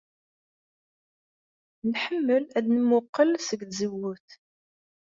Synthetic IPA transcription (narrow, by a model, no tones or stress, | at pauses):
nħəmːəlæd̪nəmʊqːəlsəɡ̪zəwuθ